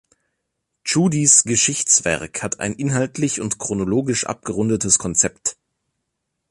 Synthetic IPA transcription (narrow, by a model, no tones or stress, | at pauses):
t͡ʃuːdisɡ̥əʃɪçt͡sv̥ɛ̰ɐkhatʰa̰ɪnʔɪnɦaltʰlɪçʊntkʁ̥onoloːɡɪʃʔa̰p̚ɡ̥əʁʊndətəskʰɔnt͡sɛpt